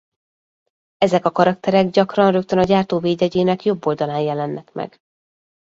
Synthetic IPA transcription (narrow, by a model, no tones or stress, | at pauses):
ɛzɛkɒkɒɾɒkt̪ɛɾɛɡɟɒkrɒnrøk̚t̪ønɒɟaːrt̪oːveːɟɛɟeːnɛkjo̞bːo̞ld̪ɒlaːnjɛlɛnːɛkmɛ̰ɡ̥